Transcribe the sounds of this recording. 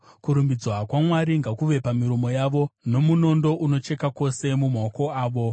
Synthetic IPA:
kuɾumbid͡zwakwamwaɾiŋɡakuʋe̞pamiɾomo̞jaʋo̞no̞muno̞ndo̞ʔuno̞t͡ʃe̞kako̞se̞mumoko̞aːʋo̞

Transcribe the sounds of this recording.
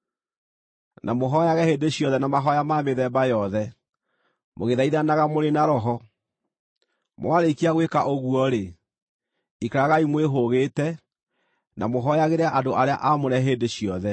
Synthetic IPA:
nʔamoɦɔjaɣɛheːndeɕjɔðɛnamaɦɔjamaːmeðɛːbajɔðɛ | moɣeðaiðanaɣamoɾenaɾɔɦɔ | mw̰aɾekiaɣwekaʔoɣuɔɾe | ikaɾaɣaimweɦoɣeːtɛ | nʔa̰moɦɔjaɣeɾeaʔadoʔaɾea̰ʔamoɾɛɦeːndeɕiɔðɛ

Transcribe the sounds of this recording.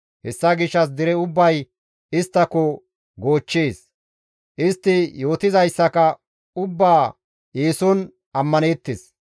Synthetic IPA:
hɛsːɐɡɪʃːɐs̬d̪ɪɾɛʊbːɐj | ɪst̪ːɐkɔ | ɡo̞ːt͡ʃːeːs | ʔɪst̪ːɪjo̞ːt̪ɪzɐjsːɐkɐ | ʊbːaː | jeːsɔn | ɐmːɐneːt̪ːɪs

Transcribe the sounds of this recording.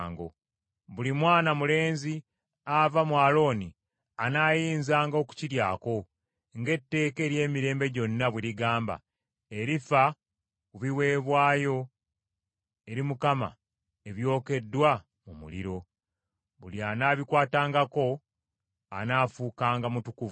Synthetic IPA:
ŋɡo̞̰ | βulimwaːnamule̞ːnzi | avamwaːlo̞ːni | anaːjiːnzaːŋɡoku̥ciɾjaːko̞ | ŋɡe̞tːe̞ːke̞ːɾje̞ːmiɾe̞ːmbe̞ɟo̞nːaβwiɾiɡaːmba̰ | e̞ɾifa | kuβiwe̞ːβwaːjo̞ | e̞ɾimukama̰ | e̞βjo̞ːke̞dːwa | mumṵlḭɾo̞ | βulianaːβikwaːtaːŋɡako̞ | a̰naːfuːkaːŋɡamutukuvu

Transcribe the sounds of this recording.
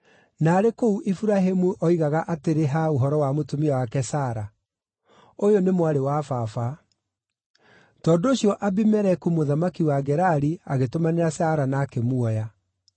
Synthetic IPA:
naːɾekouʔifuɾaɦemuʔɔiɣaɣaʔateɾeɦaoɦɔɾɔwamotomiawakɛsaːɾa | ojonemwaɾewafafa | tɔːdoːɕiɔʔabimɛɾɛkumoðamakiwaɡɛɾaɾiaɣetomaneɾasaːɾanaːkemuɔja

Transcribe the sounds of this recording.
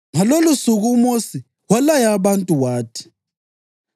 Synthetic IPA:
ŋalolusuɣumosi | ɣwalajaβantʼuwaːtʰi̥

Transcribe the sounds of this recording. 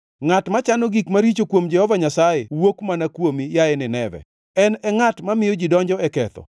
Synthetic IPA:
ŋatmat͡ʃanoɡikmaɾit͡ʃokwomd͡ʒɛhɔvaɲasajewokmanakwomijaenɪnɛvɛ̰ | ɛnɛŋatmamɪjɔd͡ʒidɔɲd͡ʒɔɛkɛt̪ɔ̰

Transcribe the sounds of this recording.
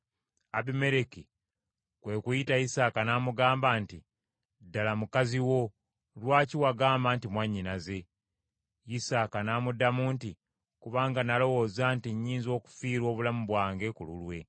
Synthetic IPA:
abime̞ɾeki | kwe̞kujitajisaːkanaːmuɡaːmbaːnti | dːalamukaziwo̞ | lwaːciwaɡaːmbaːntimwaɲːinaze̞ | jisaːkanaːmudamuːnti | kuβaːŋɡanalo̞wo̞ːzantiɲːiːnzo̞ːku̥fiːɾwo̞ːβulamuβwaːŋɡe̞kulṵlwe̞

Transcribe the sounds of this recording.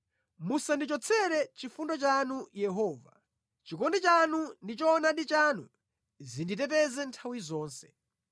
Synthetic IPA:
musandit͡ʃɔt͡sʰɛɾɛt͡ʃifundɔt͡ʃanujɛɦɔːva̰ | t͡ʃikɔndit͡ʃanundit͡ʃɔːnaɗit͡ʃanu | zindit̬ɛt̬ɛzɛntʰawizɔːnsɛ̥

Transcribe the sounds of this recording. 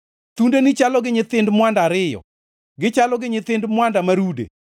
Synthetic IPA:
t̪undenit͡ʃalɔɡɪɲɪt̪ɪndmwandaɾɪjɔ̰ | ɡɪt͡ʃalɔɡɪɲɪt̪ɪndmwandamaɾudḛ

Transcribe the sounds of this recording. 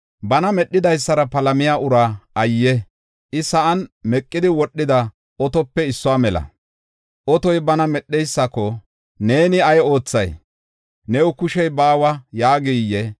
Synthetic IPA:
bɐnɐmɛɗːɪd̪ɐjsːɐɾɐpɐlɐmɪjaːʊɾaʔɐjːɛ | ʔɪsɐʔɐnmɛkʼːɪd̪ɪwɔɗːɪd̪ɐ | ɔt̪ɔpːɛɪsːɔwaːmɛlɐ̰ | ʔɔt̪ɔjbɐnɐmɛɗːɛjsːɐkɔ | ne̞ːnɪɐjo̞ːt͡sːɐj | nɛʊkʊʃɛjbaːwɐjaːɡijːɛ

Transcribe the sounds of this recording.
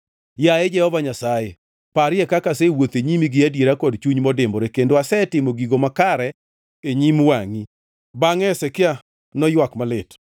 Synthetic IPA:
jaed͡ʒɛhɔvaɲasaje | paɾɪɛkakasewot̪eɲimiɡɪadjeɾakɔdt͡ʃuɲmɔdɪmoɾekendoasɛtɪmoɡiɡomakaɾɛ | eɲimwaŋi | baŋɛsɛkɪa | nɔjwakmalɪt

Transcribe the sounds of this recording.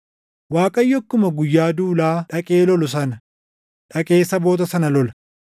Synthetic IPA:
waːkʼɐjːɔkːʊmɐɡʊjːaːd̪uːlaːᶑɐkʼeːlɔlʊs̬ɐnɐ | ᶑɐkʼe̞ːsːɐbo̞ːt̪̬ɐsɐnɐlɔlɐ

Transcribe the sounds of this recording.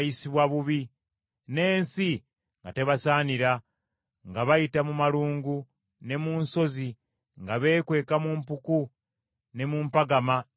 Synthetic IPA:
jisiβwaβuβi | ne̞ːnsi | ŋɡate̞βasaːniɾa | ŋɡaβajitamumaluːŋɡu | ne̞muːnso̞zi | ŋɡaβe̞ːkwe̞ːkamumpuku | ne̞muːmpaɡama

